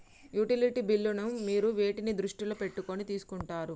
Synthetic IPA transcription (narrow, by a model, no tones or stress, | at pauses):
juʈiliʈibilːunɐmːiːɾuʋe̞ːʈinid̪ɾuʂʈilope̞ʈːuko̞nit̪iːsu̥kuɳʈaːɾu